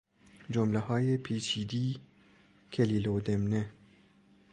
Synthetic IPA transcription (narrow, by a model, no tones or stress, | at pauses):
d͡ʒomleɦɒːjepʰiːt͡ʃʰiːd̪iː | kʰeliːloːd̪emne